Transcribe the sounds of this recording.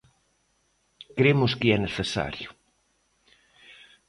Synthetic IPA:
kɾemʊskɪɛneθesa̰ɾjʊ

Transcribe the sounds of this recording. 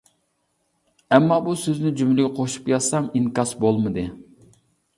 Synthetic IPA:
ɛmːɑbusøznɪd͡ʒymlɪɡʲɛqʰoʃu̥pjɑsɑmiŋkɑsbolˠmɨd̪ɨ

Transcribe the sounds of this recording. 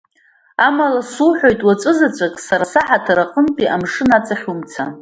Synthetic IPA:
amalasuħʷᶣo̞jtʼwat͡sʼɨzat͡ɕʷʼakʼsaɾasaħatʰaɾaqʼəntʼiʔamʂɨnat͡sʼaχʲumt͡sʰa

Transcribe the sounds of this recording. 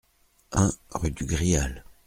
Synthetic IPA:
ɛ̃ʁyd̪yɡʁial

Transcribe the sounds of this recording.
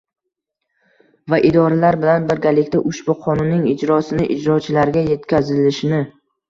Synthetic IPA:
vaʔɪd̪ɒɾalaɾbɪlanbɪɾɡʲalɪkʲt̪aʔʊʃbʊqʰɒnʊnːɪŋɪd͡ʒɾɒsɪnɪʔɪd͡ʒɾɒt͡ʃʰɪlaɾɡʲaje̞t̪kʲʰazɪlɪʃɪnɪ

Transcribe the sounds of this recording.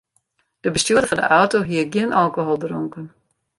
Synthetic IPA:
d̥əbəstuədəfɔndə̰ʔɔwtoɦiəɡənʔalˠkoɦolˠdroŋkən

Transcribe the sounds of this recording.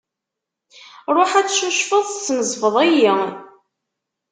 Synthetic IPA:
ɾˤoħæt͡sːʃuʃfəðˤθt͡sːnəzˤfəðˤæji

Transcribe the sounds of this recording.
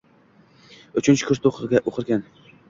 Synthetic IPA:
ʊt͡ʃʰɪnt͡ʃʰɪ̥kʰʲʊɾt̪oqɨɾɡʲaʔoqʰɨɾɡʲan

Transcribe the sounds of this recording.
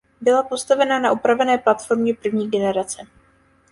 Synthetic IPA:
bɪlapo̞st̪avɛnanaʔupɾavɛnɛːplat̪fo̞ɾmɲɛpr̩vɲiːɡɛnɛɾat͡sɛ

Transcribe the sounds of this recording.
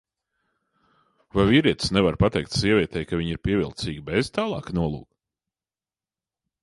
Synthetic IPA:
vajviːɾiɛt̪snɛvaɾpat̪ɛjk̚t̪siɛvʲiɛt̪ɛjkaviɲiɾpiɛvilˠt̪siːɡʲibez̥t̪aːlˠɑ̰ːknuɔlˠṵːk

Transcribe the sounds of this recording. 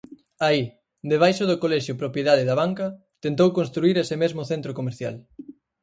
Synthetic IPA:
ai | d̪eβ̞ajʃoðʊkolɛʃjʊpɾopjeðaðɪðaβaŋkɐ | t̪ent̪owkonst̪ɾuiɾesɪmezmʊθent̪ɾokomeɾθja̰l

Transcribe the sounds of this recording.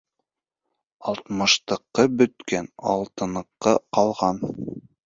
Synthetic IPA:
ɑlˠt̪mɤ̆ʃt̪ɤ̆qːɤbɵ̆t̪kænɑ̰lˠt̪ɤ̆nɤ̆qːɤqɑlˠʁɑn

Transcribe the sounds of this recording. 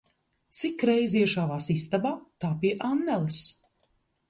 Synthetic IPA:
t̪sikːɾɛjziɛʃaːvaːsist̪abaːt̪aːpiɛʔanːɛlˠɨs

